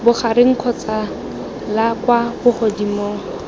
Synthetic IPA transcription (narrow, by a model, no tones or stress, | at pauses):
bʊχaɾɪŋ̩kʰɔt͡sa | lakwabʊχɔdimoːŋ̩